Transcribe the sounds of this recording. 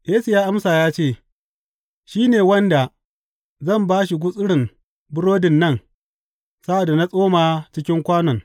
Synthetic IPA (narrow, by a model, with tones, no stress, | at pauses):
jeː˦su˨jaː˦ʔa˦msaː˨jaː˦t͡ʃeː˦˨ | ʃiː˦neː˨wɐ˦nda˨ | zɐ˦˨mbaː˦ʃ̬i˨ɡʷʊ˦sʼɪ˦ɽɪ˨m | bʊ˦ɽoː˦dɪ˨nːɐ˦˨n | sa˦ʔa˨da˨na˦sʼoː˦maː˨t͡ʃɪ˦kʲɪ˦ŋkʷaː˦nɔ˨ŋ